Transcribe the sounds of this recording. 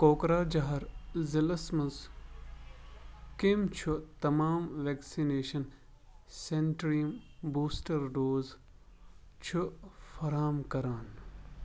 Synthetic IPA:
koːkɾaːd͡ʒɐɦɐɾzɪlɐsmɐz | kimt͡ʃʰut̪ɐmaːmʋeːksineːʃɐn | seɳʈɾimbuːsʈɐɾɖoːz | t͡ʃʰufɐɾaːmkɐɾaːn

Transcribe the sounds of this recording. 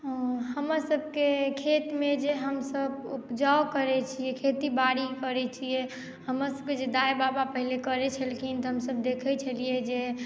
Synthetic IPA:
ɦəməɾsəb̚ʱkekʰet̪med͡ʒeɦəmsəbupd͡ʒawkəɾɛt͡ʃʰijɛkʰet̪ibaɽikəɾɛt͡ʃʰijɛ | həməɾsəb̚ked͡ʒed̪ajbabapəɦilekəɾɛt͡ʃʰəlkʰint̪ɔɦəmsəb̚d̪ekʰɛt͡ʃʰəlijed͡ʒe

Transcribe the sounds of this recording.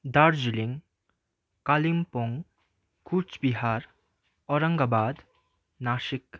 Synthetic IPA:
d̪aɾd͡ʒiliŋ | kalimpɔŋ | kut͡ʃbiɦaɾ | ɔɾɐŋɡabad̪ | naʃik

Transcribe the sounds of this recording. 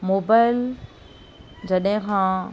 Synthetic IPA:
moːbaːɪl | d͡ʑɐɗɦɪ̃kʰãː

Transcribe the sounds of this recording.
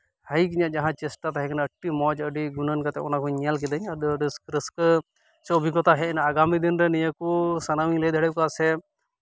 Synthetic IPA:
həjkiɲaʔd͡ʒaɦãt͡ʃɛsʈat̪aɦɛkanaəʈːimɔd͡ʒəɖiɡunənkat̪ɛɔnakɔɲalk̬id̪əɲəd̪ɖiskɾəsk | sɛɔbʱikɔt̪aɦɛnaaɡamid̪inɾɛnijəkusanawiɲləjd̪ʱəɽɛkasɛ

